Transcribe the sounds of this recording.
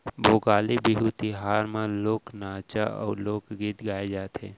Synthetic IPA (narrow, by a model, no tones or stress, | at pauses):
boːɡaːlebiɦut̪iɦaːɾmãloːknaːt͡ʃaʔɔ̰ːɾloːkɡit̪ɡaːed͡ʒaːt̪ɦẽː